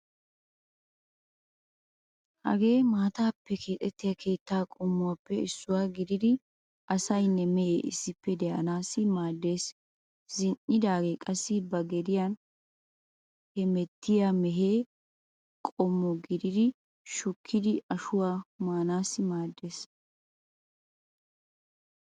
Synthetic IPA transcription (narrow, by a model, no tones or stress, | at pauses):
hɐ̰ɡe̞ːmaːt̪aːpːɛkʰe̞ːt̪ʼɛt̪ːɪjɐkʰe̞ːt̪ːaːkʼɔmːʊwaːpːɛɪsːʊwaːɡɪd̪ɪd̪ɪ | ʔɐsɐjnːɛmɛjeːʔɪ̰sːɪpːɛd̪ɛʔɐ̰naːsːɪmaːd̪ːe̞ːs | zɪnʔɪd̪aːɡekʼɐsːɪbɐɡɛd̪ɪjɐn | hɛmɛt̪ːɪjamɛɦeː | kʼɔmːɔɡɪd̪ɪd̪ɪ | ʃʊkʰːɪd̪ɪɐʃʊwaːmaːnaːsːɪmaːd̪ːe̞ːs